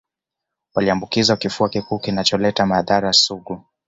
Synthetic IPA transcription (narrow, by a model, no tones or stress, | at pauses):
waliambukizawakifuakikuːkinat͡ʃɔlɛtamaðaɾasuɠu